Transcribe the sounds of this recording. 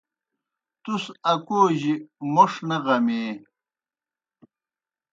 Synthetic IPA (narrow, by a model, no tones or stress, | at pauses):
t̪usɐkoːʑimoʂnɐʁɐmeː